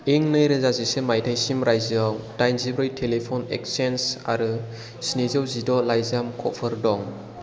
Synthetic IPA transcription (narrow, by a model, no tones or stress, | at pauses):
iŋnɯjɾɯzazisemajtʰajsimɾajzawd̥ajnzibɾɯjtʰelepʰɔnḛk̚sensa̰ɾɯ | sinizɯwzidɔlajzamkʰɔpʰɯɾdɔŋ